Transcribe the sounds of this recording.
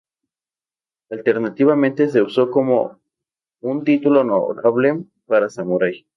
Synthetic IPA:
alt̪eɾnat̪iβament̪e̞se̞uso̞ko̞mo̰ | unt̪it̪ulono̰ɾaβlem | paɾasamuɾaj

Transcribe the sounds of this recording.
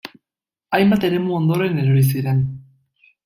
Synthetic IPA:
ajmbat̪e̞ɾe̞muond̪o̞ɾe̞neɾoɾis̬iɾen

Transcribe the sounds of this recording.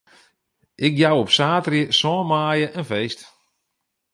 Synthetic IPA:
ʔɪkjawɔpsaːtrjəsɔːmaːjəʔənfejst

